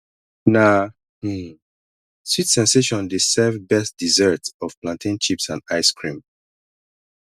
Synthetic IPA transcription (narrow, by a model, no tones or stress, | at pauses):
na | switsɛ̃nseʃɔ̃ndesɛvbɛstdizɛtɔv̥plãntĩnt͡ʃipsãndaɪskʰɹĩm